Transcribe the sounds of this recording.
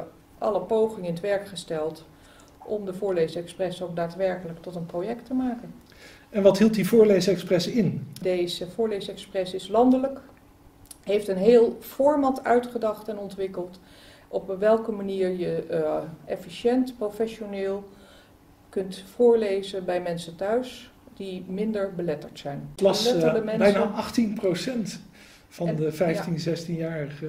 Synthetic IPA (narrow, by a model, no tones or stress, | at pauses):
ʔɑ̰ləpowχɪŋəɪnətʋɛɹkχəstɛlˠt | ʔɔmdəvʊːɹlejzəɛksprɛsok̚daːtʋɛɹkələktɔtənprojɛktəmaːkən | ɛnʋɑtɦilˠt̚divʊːɹlejzəɛksprɛsɪndejzəvʊːɹlejzəɛksprɛsɪslɑndələk | ɦejftənɦeːlˠfɔɹmɑtʰœɥtχədɑχtɛnɔntʋɪkəlˠt | ʔɔpʋɛlˠkəmaniːɹjə | ɛfiʃɛntprofɛʃonɪːlˠ | kɵntfʊːɹlejzənbɛjmɛnsətœɥs | d̥imɪndəɹbəlɛtəɹtsɛjnlɑslɛtədəmɛnbɛjnaɑχtinprosɛnt | fɑndəfɛjftinzɛstinjaːɹəχə